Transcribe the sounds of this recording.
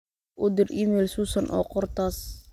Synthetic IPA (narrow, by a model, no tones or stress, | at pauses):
ʔʊd̪ɪriːmɛːlsuːsɐnʔɔ̰ːqɔrt̪ʰaːs